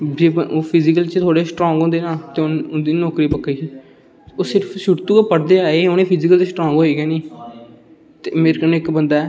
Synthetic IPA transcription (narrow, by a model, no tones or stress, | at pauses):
d͡ʒeːboːpʰɪzikəlt͡ʃt̪ʰoːɽeːsʈɾɔ̃ːŋɡɦõnd̪eːnaːt̪eːʊnʊnd̪iːnɔːkɾiːpəkːeːsiː | oːsɪɾfʃʊʈt̪uːkaːpəɽd̪eːaːeoːneːpʰɪzikəlt͡ʃeːsʈɾɔːŋɡɦoːeːɡaːniː | t̪eːmeːɾkənɪkbənd̪aːɛː